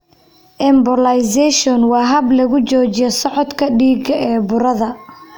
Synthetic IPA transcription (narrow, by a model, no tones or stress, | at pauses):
ʔɛmbɔlɐjsɛʃɔnwɑːɦɐblɐɣʊt͡ʃɔːt͡ʃɪjɔsɔʕɔt̪kʰɐɖiːɡɐʔɛːbʊɾɐðɐ